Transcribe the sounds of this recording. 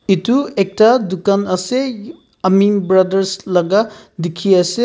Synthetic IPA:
ituek̚tadukanɐse | ɐmiŋbɾɐdɐɾslɐɡadikʰiɐse

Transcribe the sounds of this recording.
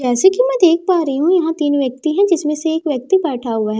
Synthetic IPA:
d͡ʒɛːsekimɛ̃d̪eːk̚ʰpaːɾɐɦiɦũjɐɦãt̪iːnʋjɐk̚t̪iɦɛ̃d͡ʒɪsmẽseːkʋjɐk̚t̪ibɛːʈʰaɦʊaɦɛ

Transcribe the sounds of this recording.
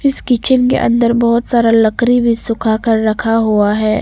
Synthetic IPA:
ɪskɪt͡ʃʰənkḛʔɐ̰̃nd̪əɾbɔɦʊt̪saːɾalɐkɾibʱisʊkʰakɐɾːɐkʰaɦuaɦɛː

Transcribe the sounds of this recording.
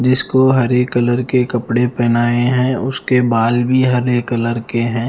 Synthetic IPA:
d͡ʒɪskoɦɐɾekːələɾkekəpɽepɛːnaːeɦɛ̃ːʊskebaːlbʱiɦɐɾekələɾkeɦɛ̃ː

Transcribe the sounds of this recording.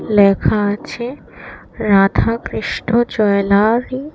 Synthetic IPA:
lɛkʰaat͡ɕʰe | ɾad̪ʱakɾiʃʈod͡ʑɔelaɾi

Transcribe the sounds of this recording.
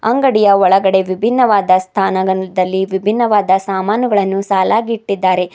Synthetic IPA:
ɐŋɡɐɽijɐɔɭɐɡɐɽe̞ʋibʱinːɐʋaːd̪ɐst̪ʰaːnɐɡɐnd̪ɐlːiʋibʱinːɐʋaːd̪ɐsaːmaːnuɡɐɭɐnːusaːlaːɡiʈːid̪ːaːɾe̞

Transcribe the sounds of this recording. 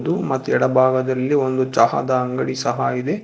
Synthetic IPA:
d̪umɐt̪ːuɛɽɐbʱaːɡɐd̪ɐlːio̞nd̪ut͡ʃɐɦɐ̰d̪ɐːŋɡɐɽisɐɦɐid̪e̞

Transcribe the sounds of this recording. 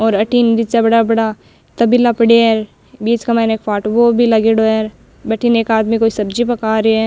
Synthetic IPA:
ɔːɾɐʈind̪ɪt͡ʃabɐɽabɐɽa | t̪ɐbilːapɐɽeɛɾ | biːd͡ʒkamɛːneːkpʰaːʈʋobʱilɐɡeɽoɛːɾ | bɐʈʰineːkaːd̪mikoːisɐbd͡ʒipɐkaːɾeɛː

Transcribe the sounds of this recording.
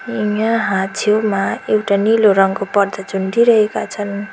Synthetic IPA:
iŋaɦãt͡sʰowmaewʈaniloɾʌŋkopʌrd̪ʌd͡zund̪iɾʌɦekat͡sʰʌn

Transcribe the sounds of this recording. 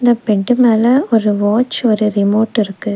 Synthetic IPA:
ɪnd̪ɐpɛɳɖɯmeːlɐɔɾɯʋoːt͡ʃːɔɾɯɾɪmoːʈːɪɾɯkːɯ

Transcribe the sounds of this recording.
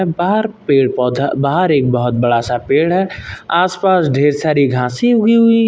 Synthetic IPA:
baːɦəɾpeːɽpɔːd̪baːɦəɾeːk̚bəɦʊt̪̚bəɽasapeːɽɦɛaːspaːsɖʱeːɾsaːɾiɡʱãːsiɦʊɡiɦʊi

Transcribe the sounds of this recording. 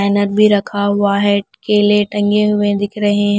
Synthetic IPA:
nəɾbʱiɾɐkʰaʋaːɦɪɖkeleʈɐ̃ŋɡeɦʊʋẽd̪ɪkʰɾɐɦẽɦ

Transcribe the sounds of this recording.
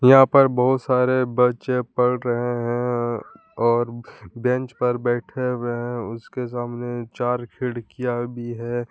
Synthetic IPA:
jɐɦãpɐɾbɐɦʊt̪saːɾebɐt͡ʃẽpɐɽɾɐɦeɦɛ̃ | ɔːɾbɛ̃nt͡ʃpɐɾbɛːʈʰeweɦɛ̃ʊskes̬aːmnet͡ʃaːɾkʰɪɽkijabʱiɦɛː

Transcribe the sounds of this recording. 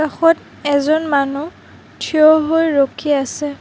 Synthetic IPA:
axɔt | ɛzɔnmanu | tʰiɔɦojɹokʰiasɛ

